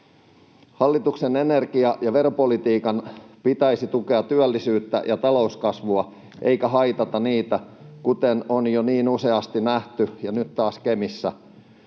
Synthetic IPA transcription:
hɑlːit̪uksene̞ne̞rkiɑjɑʋe̞ropo̞lit̪iːkɑnpit̪æjsit̪uke̞ɑt̪t̪yælːisyːt̪ːæ̰jɑt̪ɑlo̞uskɑsʋuɑ | ʔejkæɦɑjt̪ɑt̪ɑniːt̪æ | kut̪enonjoniːnuse̞ɑst̪inæht̪yjɑnyt̪tɑːskemisːæ

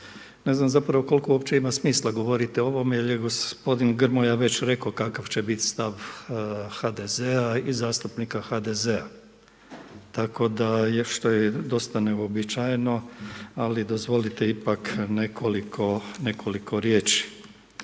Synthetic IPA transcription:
ne̞znamzapɾaʋo̞ko̞lkouopt͡ɕe̞imasmiːslˠaɡo̞ʋo̞ɾit̪eo̞ʋo̞meeljeɡospo̞d̪inɡr̩mojaʋe̞t͡ɕɾe̞ko̞kakaʋt͡ɕebit̪st̪aʋ | xad̪e̞zeaizaːst̪upnikaxad̪eze̞a | t̪ako̞d̪ajeʃt̪o̞jed̪o̞st̪ane̞obit͡ʃajno̞alid̪ozʋo̞lit̪eipakne̞kʰo̞likʰo̞ne̞kʰo̞likʰo̞ɾje̞ːt͡ʃi̥

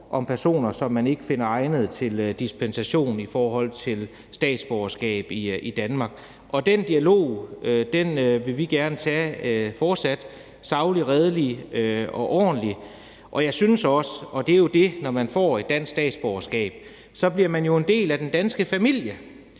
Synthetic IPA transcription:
ʔɒ̽mpʰæɐso̝̰ːnɐsɒ̽mːæne̝ɡ̥əfe̝nɐɑ̈ɪnəð̞̩ˠt͡sʰe̝ld̥ispʰensæɕo̝̰ːn̩ifɒːhɒ̽l̰t͡sʰe̝l | sd̥ɛ̰ːd̥sb̥ɒʊɐsɡ̥ɛ̰ːb̥iid̥ænmɑ̈ːɡ̥ | ʔɒ̽d̥end̥iælo̝̰ːød̥enʋe̝ʋiɡ̥æɐnət͡sʰɛfɒːd̥sæd̥ | sɑ̈ʊliʁɛð̞ˠəli | ɒ̽ʔɒ̰ːnli | ʔɒ̽jɑ̈ɪsynsɒ̽səɒ̽d̥e̝æjo̝d̥e̝nɒmænfɒ̰ːe̝d̥ːæn̰ssd̥ɛ̰ːd̥sb̥ɒʊɐsɡ̥ɛ̰ːb̥̚ | sɒ̽b̥liɐmænjo̝e̝nd̥e̝̰ːlæd̥end̥ænsɡ̥əfæmil̰jə

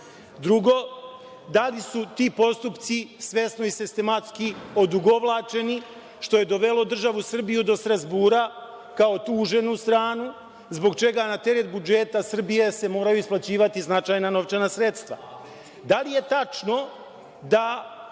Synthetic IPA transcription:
d̪ɾuɡo̞ | d̪alisut̪iːpo̞st̪upt̪sisʋe̞sno̞isist̪e̞mat̪skio̞d̪uɡo̞ʋlˠaːt͡ʃe̞ni | ʃt̪o̞je̞d̪o̞ʋe̞lo̞d̪r̩ʒaʋusr̩bijud̪o̞st̪ɾazbuːɾa | kao̞t̪uːʒe̞nust̪ɾaːnu | zbo̞ɡt͡ʃe̞ɡanat̪e̞ɾet̪̚bud͡ʒe̞t̪asr̩bije̞se̞mo̞ːɾajuisplat͡ɕiːʋat̪iznat͡ʃajnano̞ʋt͡ʃenasɾe̞t̪st̪ʋa̰ | d̪alije̞t̪at͡ʃno̞ | d̪a

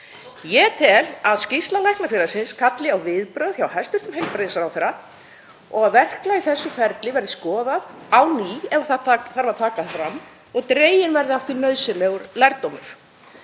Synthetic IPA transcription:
jɛt̪ʰɛlaðscɪst̪lalɛjhknafjɪːlasɪnskʰat̪lɪawvɪðpɾœɥðçawhɛst̪ʏɾ̥t̪ʏmɦejlpɾeðɪsaɾawθɛɾa | ɔɣaðvɛr̥klaiθɛsːʏfɛɾt̪lɪvɛɾðɪskɔːðaðawniːɛvaθat̪aθaɾvaɾ̥t̪ʰaːkaðfɾamː | ɔɣt̪ɾeːjɪnvɛɾðɪaft̪inœðsɪlɛɣʏɾlajɾt̪ːowmʏɾ̥

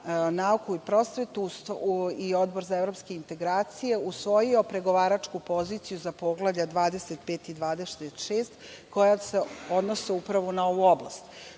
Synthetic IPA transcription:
naukuipɾo̞sʋet̪usio̞d̪bo̞ɾzaevɾo̞pske̞int̪e̞ɡɾaːt̪sije̞usʋo̞jio̞pɾe̞ɡo̞ʋaːɾat͡ʂkupo̞zit̪sijuzapo̞ɡlˠavʎad̪ʋaːd̪e̞set̪peːt̪id̪ʋaːd̪est̪eʃeːst̪ko̞jaseo̞d̪noseupɾaʋonao̞ʋuobla̰st̪

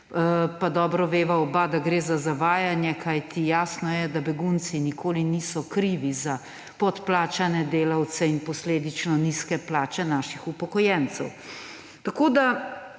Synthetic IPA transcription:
pad̪ɔːbɾɔʋeːʋaɔbad̪aɡɾeːzazaʋaːjanjɛkʰajt̪ʰijaːsnɔjɛd̪abɛɡunt̪sinikʰoːliniːsɔkɾiʋiza | pɔt̪plaːt͡ʃanɛd̪eːlawt̪sɛinpɔsleːd̪it͡ʃnɔniskɛplaːt͡ʃɛnaːʃixupɔkɔjɛnt̪sɛw | t̪akoːd̪a

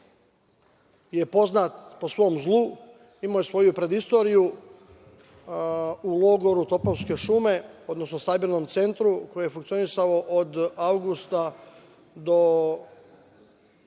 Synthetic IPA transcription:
je̞po̞znat̪po̞sʋo̞mzlˠu | imojsʋo̞jupɾe̞d̪ist̪o̞ːɾiju | ulˠo̞ɡo̞ɾut̪o̞poʋske̞ʃume̞o̞d̪no̞snosabiɾno̞mt̪se̞nt̪ɾuko̞jejfuŋkt̪sio̞nisaoʔod̪awɡust̪a | d̪o̞

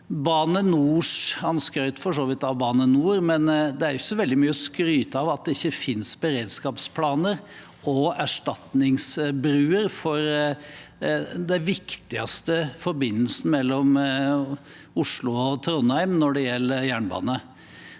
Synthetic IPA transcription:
bɑːnənuːʂɑnskɾœʏt̪fɔʂoːʋɪt̪ɑʋbɑːnənuːɾmɛnd̪ɛæɾjʊçəsɔʋɛld̪ɪmyːəɔskɾyːt̪əɑʋɑt̪̚d̪ɛɪçːəfɪnsbəɾeːd̪skɑːpspʰlɑːnəɾ | ɔæʂʈɑt̪nɪŋsbɾʉːəɾfɔɾ | d̪ɛʋɪkt̪ɪɑst̪əfɔɾbɪnːəlsn̩mɛlːɔm | ʊʂlʊɔt̪ʰɾɔnhæɪmnɔɖɛjɛlːəɾjæːɳbɑ̰ːnə

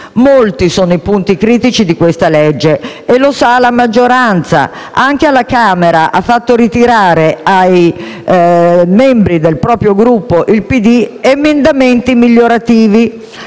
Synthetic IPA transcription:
molt̪isoːnoipunt̪ikɾiːt̪it͡ʃid̪ikwest̪aled͡ʒːe | elosalamad͡ʒːoɾant̪sa̰ | aŋk̟ealakaːmeɾaʔafːat̪ːoɾit̪iɾaːɾeaj | mɛmbɾid̪elpɾɔːpɾjoɡɾupːoʔilpid̪iemend̪ament̪imiʎːoɾat̪iːvi

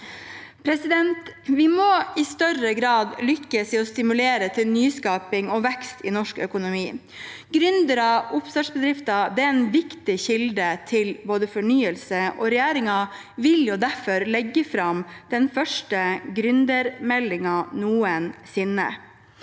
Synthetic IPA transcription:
pʰɾɛsɪd̪ɛnt̪ʋɪmɔɪst̪œɾəɡɾɑːd̪lʏkːəsɪɔst̪ɪmʉleːɾət̪ʰɪlnyːskɑːpɪŋɔʋɛkst̪ɪnɔʂkœ̰kʊnʊmiː | ɡɾʏnd̪əɾɑʊpsœʂbəd̪ɾɪft̪ɑd̪ɛɛnʋɪkt̪ɪçɪld̪ət̪ʰɪlboːd̪əfɔɳyːəlsəʔɔ̰ɾɛjæːɾɪŋɑ | ʋɪljʊd̪æɾfɔɾlɛɡːəfɾɑmd̪̥ɛnfœʂʈəɡɾʉnd̪əɾmɛlːɪŋɑnuːənsɪnːə̰

